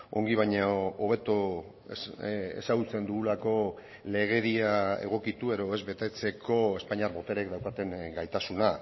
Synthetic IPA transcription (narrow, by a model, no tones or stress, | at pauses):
o̞ŋɡiβ̞ajɲaoβ̞e̞t̪o | ḛsaɣut͡se̞nd̪uɣulako̞ | le̞ɣ̞e̞ɾiae̞̰ɣ̞o̞kit̪ue̞ðo̞e̞zβe̞t̪e̞t͡se̞kʰo̞e̞spaɲiaɾbo̞t̪eɾekd̪awkat̪e̞ŋɡajt̪asuna